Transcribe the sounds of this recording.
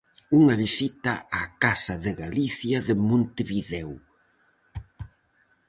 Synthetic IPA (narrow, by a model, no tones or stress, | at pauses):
uŋɐβisit̪ɐakasɐðɪɣaliθjɐðɪmõnt̪eβiðɛw